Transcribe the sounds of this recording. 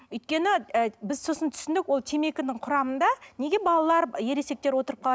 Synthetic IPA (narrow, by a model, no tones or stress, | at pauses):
ʏjt̪̚kʲe̞nɪəbɪzso̞sənt̪ʰʏ̥sɪnd̪ɪkwo̞lˠt̪ʰeme̞kʲɪnɪɴqʰʊɾɑmənd̪ɑne̞ɡʲe̞bɑlˠɑlˠɑɾje̞ɾe̞se̞k̚t̪eɾwo̞t̪əɾəp̚qʰɑɑ